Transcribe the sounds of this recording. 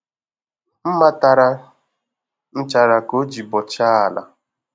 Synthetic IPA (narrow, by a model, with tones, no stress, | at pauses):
m̩˦ma˦ta˨ɾa˦ | n̩˦t͡ʃa˨ɾa˨ko˦d͡ʒi˨bɔ˨t͡ʃa˦a˨la̰˨